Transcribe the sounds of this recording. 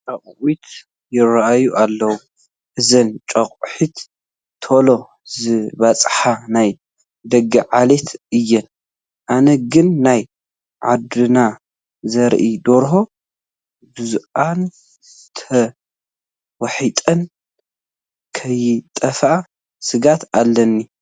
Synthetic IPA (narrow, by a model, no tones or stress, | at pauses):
t͡ʃʼaχʼʔit̪ | jɪɾaʔajuʔalːɐwu | ʔɨzɐnt͡ʃʼɐχʼħit̪ːʰ | olo̞ | zɨβat͡sʼħanaj | d̪ɐɡɐʕale̞t̪ʰɨjːɛn | ʔanɐɡɨnːaj | ʕad̪ɨna | zɐɾʔid̪oɾɦo̞ | bɨzuʔan | t̪ʰɐ | wɐħit̪ʼɐn | kʰɐjɪt̪ʼɐfʔa | sɨɡat̪alːɐnːi